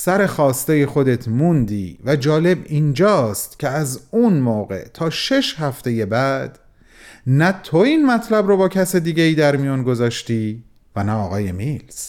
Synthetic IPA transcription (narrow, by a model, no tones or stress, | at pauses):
sæɾe̞xɒːst̪eje̞xo̞d̪e̞t̪ʰmund̪iːvæd͡ʒɒːle̞biːnd͡ʒɒːst̪cʲʰeæzunmoːɣe̞̰t̪ʰɒːʃe̞ʃɦæft̪e̞je̞bæd̪̥ | næt̪ʰo̞inmæt̪ʰlæbɾobɒːcʰæsed̪iːɟeiːd̪æɾmijɒːnɡo̞zɒːʃt̪iː | vænæɒːɣɒːje̞miːls